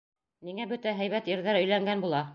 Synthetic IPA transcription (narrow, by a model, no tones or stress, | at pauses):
niŋæbɵt̪æɦæjβæt̪ĭɾðæɾɵ̆jlæŋɡænbulˠɑ